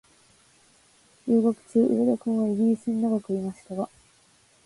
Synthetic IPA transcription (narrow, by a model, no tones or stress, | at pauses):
jɯːɡokɯ̟̥t͡ɕɨːʔḭɾed̪okɯ̟̃ɰ̃βaiɡʲiɾʲisɨɲinaɡakɯimaɕi̥t̪aɡa